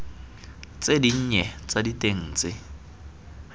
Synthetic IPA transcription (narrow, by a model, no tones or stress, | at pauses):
t͡sʼediɲ̩ɲɛt͡sʼaditʼeŋ̩ːt͡sʼɪ